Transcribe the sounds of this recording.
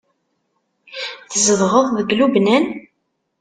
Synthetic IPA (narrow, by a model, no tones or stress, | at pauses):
θəzəðʁəðˤðəɡlubnæn